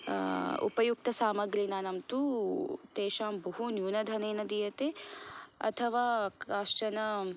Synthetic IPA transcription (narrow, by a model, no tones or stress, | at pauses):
ṵpɐjuk̚t̪ɐsaːmɐɡɾiːnaːnɐmt̪ut̪eːʃaːmbɐɦunjuːnɐd̪ʱɐneːnɐd̪ijɐt̪e | ɐ̰t̪ʰɐʋaːaːʃʈɐnɐ